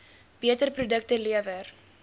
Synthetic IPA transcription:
b̥iətərprudək̚təliəvər

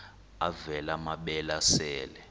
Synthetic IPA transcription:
avɛlamaɓɛlasɛːlɛ

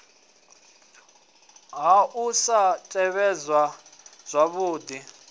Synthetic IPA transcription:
ɦaʔusatʼɛβɛzwaz̥ʷaβuːd̪i

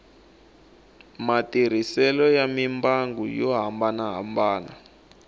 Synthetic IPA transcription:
matiɾ̤isɛlɔjamimbaŋɡujɔɦambanaɦa̰mbaːna̰

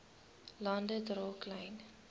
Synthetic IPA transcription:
lɑndədrɔːklɐjn

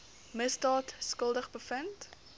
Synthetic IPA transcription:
məsdɑːtskəlˠdəχbəfənt

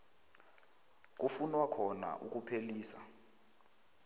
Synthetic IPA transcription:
k̬ʼufunwakʰɔna̰ʔuk̬ʼupʰeliːsa

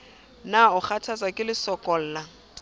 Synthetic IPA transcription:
naʊχʰatʰat͡sakʼɪlɪsɔkʼɔl̩ːla

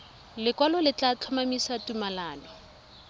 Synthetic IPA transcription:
lɪkwalɔlɪt͡ɬʼat͡ɬʰɔmamisatumalaːnʊ

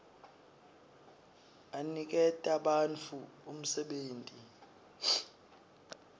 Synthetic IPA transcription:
anik̬ɛtʼaɓant͡fʰuum̩sɛɓeːntʼi

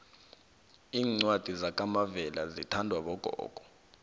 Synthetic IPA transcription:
iːŋ͡ǀwad̥ʱizak̬ʼamavɛlazitʰandʱwaɓɔɡ̥ʱɔ̰ːɡ̥ʱɔ̥

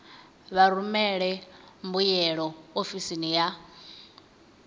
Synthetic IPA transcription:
βaɾumɛɺɛmbujɛɺɔofisinija

